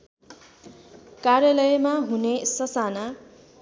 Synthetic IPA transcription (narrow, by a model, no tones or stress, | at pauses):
karjʌlʌjmaɦunesʌsana